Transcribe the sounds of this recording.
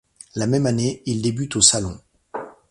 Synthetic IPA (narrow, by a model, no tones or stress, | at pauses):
lamɛmaneild̪ebyt̪osalɔ̃